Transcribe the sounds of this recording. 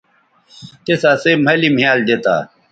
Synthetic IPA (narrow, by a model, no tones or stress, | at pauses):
t̪esaːsemɐlim̤ijaːld̪et̪a̰ː